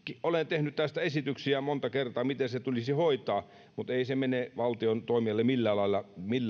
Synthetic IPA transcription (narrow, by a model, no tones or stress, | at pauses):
kiʔolent̪ehnyt̪t̪æst̪æesit̪yksiæmont̪ɑkert̪ɑːmit̪eset̪ulisihoit̪ˑɑː | mut̪eisemeneʋɑlt̪iont̪oimiɑlːemilːælɑilːɑmilː